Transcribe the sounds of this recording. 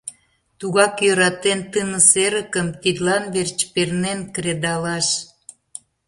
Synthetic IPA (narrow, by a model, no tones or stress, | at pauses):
t̪uɣɑkjøɾɑt̪ent̪ɨnəseɾəkəmt̪id̪lɑnβert͡ɕpernenkɾed̪ɑlɑʃ